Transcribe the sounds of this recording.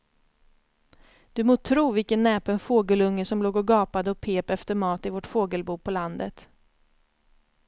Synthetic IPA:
d̪̥ɵmoːt̪ʰɾuːvɪkənːɛːpɛnfoːɡəlɵŋːəʂɔmloːɡɔɡɑːpad̪əɔpʰeːpɛft̪əɾmɑːt̪ɪvɔʈfoːɡəlbuːpʰɔland̪ət̪

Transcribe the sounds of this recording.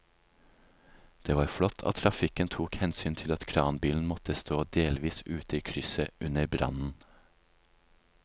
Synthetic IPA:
d̪̥eːʋɑːɾflɔt̪ʰɑ̰ːt̪ʰɾɑfɪkənt̪ʰuːkhɛnsyːnt̪ʰɪlɑt̪kʰɾɑːnbiːln̩mɔt̪əst̪oːd̪eːlʋiːsʉːt̪əiːkʰɾʏsəʔʉnəɾbɾɑ̰nn̩

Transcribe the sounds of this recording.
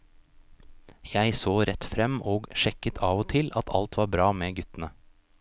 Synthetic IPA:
jæɪsoːɾɛt̪fɾɛmːoːɡʂɛkət̪ʰɑːʋoːt̪ʰɪlɑt̪ʰɑ̰lt̪ʋɑːɾbɾɑːmeːɡʉt̪ənə

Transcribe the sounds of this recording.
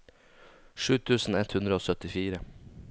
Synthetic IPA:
ʂʉːt̪ʰʉːsn̩ɛt̪hʉnd̪ɾəoːsœt̪ɪfiːɾə

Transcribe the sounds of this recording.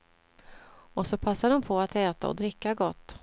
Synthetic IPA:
ɔsɔpʰasːaɖɔmpʰɔat̪ʰɛːt̪a̰ɔ̰d̪ɾɪkːaɡɔt̪ː

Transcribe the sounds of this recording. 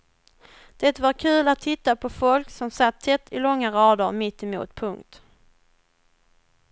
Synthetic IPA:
d̪̥ɛt̪vaɾkʰʉ̟ːlat̪ʰːɪt̪ːapʰɔfɔlksɔmsat̪ʰːɛt̪ːɪlɔŋːaɾɑːd̪əɾmɪt̪ːɛmṵːt̪pʰɵŋkt̪

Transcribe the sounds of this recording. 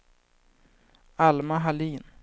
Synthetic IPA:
almaɦaliːn

